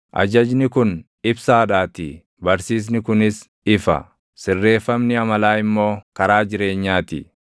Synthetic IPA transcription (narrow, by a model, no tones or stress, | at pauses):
ʔɐ̰d͡ʒɐd͡ʒnɪkʊn | ɪbsaːᶑaːt̪ɪ | bɐɾsiːs̬nɪkʊnɪs | ɪfɐ̰ | sɪrːe̞ːfɐmnɪɐmɐlaːɪmːo̞ːkɐɾaːd͡ʒɪɾe̞ːɲːaːt̪ɪ̰